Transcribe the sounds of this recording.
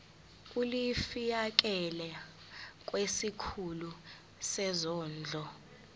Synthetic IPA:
kʼulifijak̬ʼɛlɛ | k̬ʼwesikʰulu | sɛzɔːnd͡ɮʱɔ

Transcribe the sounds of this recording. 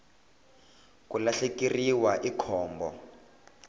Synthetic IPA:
kulaɬekiriwaʔikʰɔːmbɔ̰

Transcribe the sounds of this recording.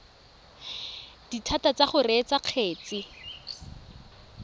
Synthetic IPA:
d̥itʰatat͡saχʊret͡saq͡χʰeːt͡sɪ

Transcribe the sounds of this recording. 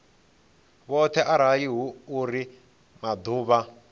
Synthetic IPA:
βɔt̪ʰɛʔaɾ̤ajiɦuːɾi | mad̪uːβa

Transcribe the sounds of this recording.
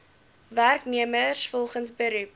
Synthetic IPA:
værkniəmərsfɔlˠχənsbəɾʉp̚

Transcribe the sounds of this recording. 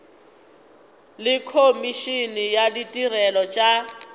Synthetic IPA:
lɪkʰomiʃinɪjaditʼirɛlɔt͡ʃʼa

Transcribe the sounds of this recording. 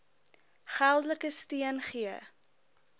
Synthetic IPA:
χælˠdələkəstiənχiə

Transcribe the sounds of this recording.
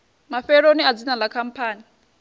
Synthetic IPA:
mafɛɺoniad͡zinalakʰam̩pʰaːni

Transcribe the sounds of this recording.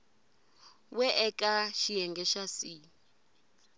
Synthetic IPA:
wɛʔɛkʼaʃijɛŋɡɛʃasi

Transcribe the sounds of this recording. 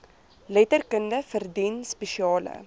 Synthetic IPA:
lɛtərkəndəfərdinspeʃiɑːlə̰

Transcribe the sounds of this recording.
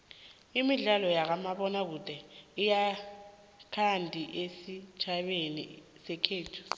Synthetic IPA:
imiɮalɔjak̬amaɓɔnak̬ud̥ʼʱɛija | kʰandʱiʔesi̥t͡ʃʰaɓenḭ | sɛkʰeːtʰu̥

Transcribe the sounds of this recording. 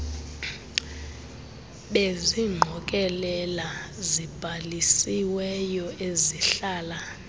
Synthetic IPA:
ɓeziŋ͡ǃʱɔk̬ʼɛlɛlazib̥ʱalisiwɛjɔeziɬaːla

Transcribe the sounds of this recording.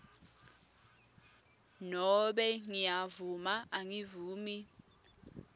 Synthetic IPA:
nɔɓɛŋijavumaʔaŋivuːmi

